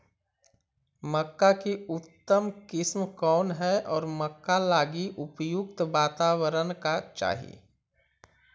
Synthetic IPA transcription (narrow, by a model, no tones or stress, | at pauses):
məkːakiʊt̪ːəmkɪsmkɔːnɦɛɔːɾməkːalaːɡiʔʊpjʊk̚t̪ʋaːt̪aːwəɾənkat͡ʃa̰ːɦḭ